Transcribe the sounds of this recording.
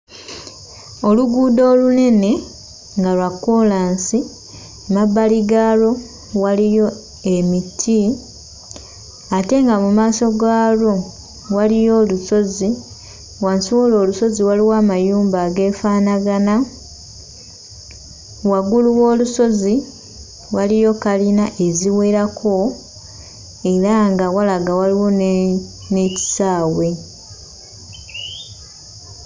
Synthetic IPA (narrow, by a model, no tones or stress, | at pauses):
o̞luɡuːdo̞ːlune̞ne̞ | ŋɡalwakːolaːnsi | mabːaliɡaːlo̞ | walijo̞ | e̞mitʰi | ate̞ŋɡamumaːso̞ɡaːlo̞ | walijo̞ːluso̞zi | wansiwoːlo̞ːluso̞ziwaliwaːmajuːmbaːɡe̞ːfaːnaɡana | waɡuluwo̞ːluso̞zi | walijo̞kalinaʔe̞ziwe̞ɾakʰo̞ | e̞ɾaŋɡawalaɡawaliwo̞n | ne̞ci̥saːwe̞